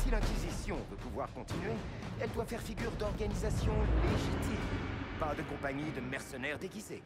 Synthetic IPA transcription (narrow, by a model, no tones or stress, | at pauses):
silɛ̃kʲizisjɔ̃vəpuvwaʁkɔ̃t̪inɥe | ɛld̪wafɛʁfiɡʲyʁd̪ɔʁɡanizasjɔ̃leʒit̪impad̪əkɔ̃paɲid̪əmɛʁsənɛʁd̪ekʲize